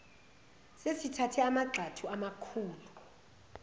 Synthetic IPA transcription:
sesitʰatʰɛamaǃʱatʰuamakʰuːlu

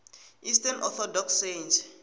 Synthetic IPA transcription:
istʰɛnʔɔθʰɔdɔksend͡ʒ

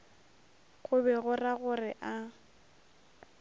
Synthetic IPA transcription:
ɣʊbɛɣʊraɣʊrɪʔa

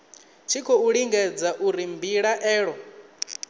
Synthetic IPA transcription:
t͡ʃʰikʰɔuɺiŋɡɛd͡zaʔuɾimbiɺaʔɛːɺɔ

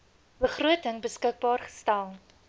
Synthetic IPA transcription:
bəχruətəŋbəskək̚bɑːrχə̥stælˠ

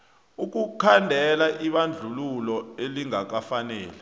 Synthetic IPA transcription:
uk̬ukʰandʱɛlaʔiɓand͡ɮʱululɔeliŋak̬afanɛ̰ːlɛ

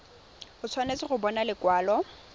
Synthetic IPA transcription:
hʊt͡sʰwanet͡sɪχʊbɔnalɪkwaːlɔ

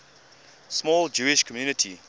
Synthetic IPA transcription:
smɔːld͡ʒuɪʃkʰɔmjuːnɪtʰi

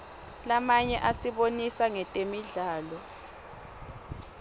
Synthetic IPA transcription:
lamaɲɛʔasiβonisaŋɛtʼemiɮaːlɔ

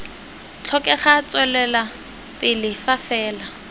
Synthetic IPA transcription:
t͡ɬʰɔkʼɛχat͡sʼwɛlɛla | pʼɪlɪfafɛːla

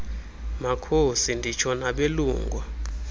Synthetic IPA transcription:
makʰosindʱit͡ʃʰɔnaɓeluːŋɡʱwa

